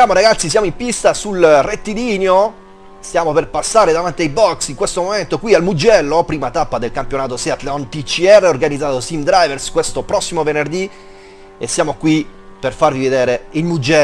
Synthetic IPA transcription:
jaːmoɾaɡat̪sːis̬jaːmoimpist̪asulret̪ːid̪iːnjo | sjaːmoperpasːaːɾed̪avant̪iajbɔksiŋkwest̪omoment̪okwialmud͡ʒːɛlːopɾiːmat̪apːad̪elkampjonaːt̪osɛat̪leɔnt̪it͡ʃːiɛrːeorɡanid̪zaːt̪osimd̪ɾajverskwest̪opɾɔsːimovenerd̪i | esːjaːmokwiperfarvived̪eːɾeilmud͡ʒɛ

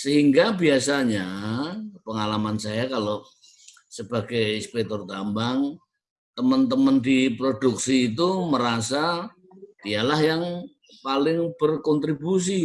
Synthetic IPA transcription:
səɦiŋɡabiasaɲa | pəŋalamansajakalo | səbaɡajispɛk̚t̪ɔrt̪ambaŋ | t̪əmənt̪əməndipɾoduk̚siːt̪uməɾasa | dialahjaŋ | palɪŋb̥ərkɔnt̪ɾibus̬i

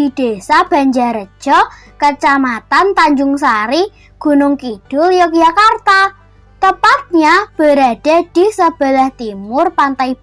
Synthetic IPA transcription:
id̪̥esab̥a̤ɲd͡ʒaɾə̥ʒ̥ɔ | kət͡ʃamat̪ant̪aɲd͡ʒʊŋsaɾi | ɡ̥ṳnʊŋkid̥ʊljɔkjakart̪a | t̪əpat̪̚ɲab̥ə̤ɾaɖ̥a̤d̪̥i̤səb̥ə̤lɛht̪imʊrpant̪aib

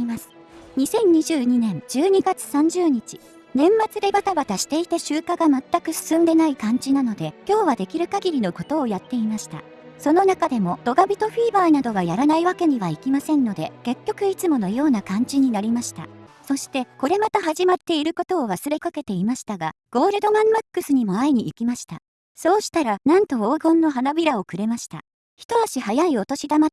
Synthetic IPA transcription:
masɨ̥ | ɲ̟isẽ̞ɲ̟ɲiʑɨːɲ̟inẽ̞nd͡ʑɨːɲ̟iɡat͡sɨ̥sãɲ̟d͡ʑɨːɲ̟it͡ɕi̥ | nẽ̞mːat͡sɨɾe̞bat̪abat̪aɕi̥t̪e̞it̪aɕɨːkaɡamat̪ːakɯ̟sɨ̥sɨ̃nd̪e̞naikãɲ̟d͡ʑinano̞d̪e̞kʲo̞ːβad̪e̞kʲiɾɯ̟kaɡʲiɾʲino̞ko̞t̪o̞ːjat̪ːe̞imaɕi̥t̪a̰ | so̞no̞nakad̪e̞mo̞d̪̥o̞ɡabʲit̪o̞ɸiːbaːnad̪o̞βajaɾanaiβake̞ɲ̟iβaikʲimasẽ̞nːo̞d̪e̞ke̞kʲːo̞kɯ̟it͡sɨmo̞no̞jo̞ːnakãɲ̟d͡ʑiɲ̟inaɾʲimaɕi̥t̪a̰so̞ɕi̥t̪e̞ko̞ɾe̞mat̪aɦaʑimat̪ːe̞iɾɯ̟ko̞t̪o̞ːβasɨɾe̞kake̞t̪e̞imaɕi̥t̪aɡa | ɡ̥o̞ːɾɯ̟d̪o̞mãmakːɯ̟sɨɲ̟imo̞aiɲ̟iːkʲimaɕi̥t̪a | so̞ːɕi̥t̪aɾanãnt̪o̞oːɡõ̞nːo̞ɦanabʲiɾao̞kɯ̟ɾe̞maɕi̥t̪a̰ | çi̥t̪o̞aɕihajaio̞t̪o̞ɕid̪ama

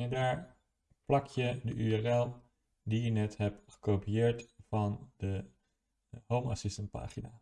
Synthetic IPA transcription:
daːɹ | plɑkjədəʔyɛrɛlˠ | dijənɛtɦɛpχə̥kowpiɪːɹtvɑndə | ɦowmɑ̰sɪstənt̚pa̰ːχinaː

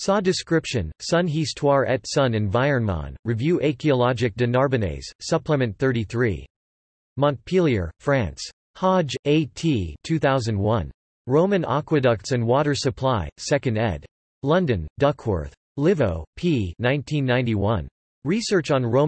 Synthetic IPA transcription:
sɑdɨskɹɪpʃɨ̃nsʌ̃nɦistʰwɑɹʔɛtsʌ̃nɨ̃nvaɪə̃˞nmɑ̰̃nɹivjʉʔeɪkiəlɑd͡ʒɨk̚d̥ɨnɑɹbɨnḛɪz̥sʌpʰləmɨ̃nθɜ˞ɾiθɹḭ | mɑ̃n̚pʰilˠiə̰˞fɹæ̃ns | hɑd͡ʒeɪtʰitʰʉθaʊzɨ̃nd̚wʌ̃n | ɹõʊ̃mɨ̃nɑ̰kwɨdʌk̚tsɨ̃nwɔɾə˞sɨpʰl̥aɪsɛkɨ̃ndɛ̰d̥ | lʌ̃ndɨ̃ndʌkʰwə̰˞θ | lɪvoʊpʰinãɪ̃ntʰĩnːãɪ̃ntiwʌ̃n | ɹisɜ˞t͡ʃn̩ɹõʊ̃

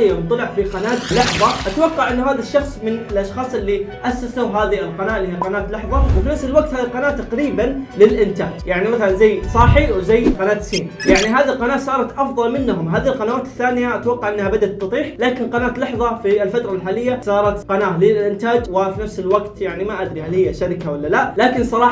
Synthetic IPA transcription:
ant̪ˤɑlɪʕfiqɑnaːt̪lɑħðˤɑʔat̪awɑqːɑʕʔɪnːahaːðaʃːɑxsˤmɪnɪlʔɑʃxɑːsˤʔɪlːiʔasːaslaɦaːðiɪlqɑnaːʔlːihiaqɑnaːt̪lɑħðˤɑwfinafsɪlwaɡ̚t̪haːðilqɑnaːʔt̪ːaqɾiːbanlɪlʔɪnt̪aːd͡ʒjaʕnimaθalanzajːsˤɑːħiwzajːqɑnaːt̪siːnjaʕniɦaːðilqɑnaːʔsˤɑːɾˤɑt̪ʔɑfðˤɑlmɪnːɦʊmɦaːðilqɑnawaːt̪ɪ̥θːaːnɪjaʔat̪wɑqːɑʕʔɪnːahabad̪at̪ːɨt̪ˤiːħlaːkɪnqɑnaːt̪lɑħðˤɑfilfat̪ɾˤɑlħaːlɪjːasˤɑːɾˤɑt̪qɑnaːʔlɪlʔɪnt̪aːd͡ʒwɪfinafsɪlwaɡt̪jaʕnimaʔad̪ɾihalhɪjːaʃaɾɪkawɪlːalalaːkɪnsˤɑɾˤɑːħ

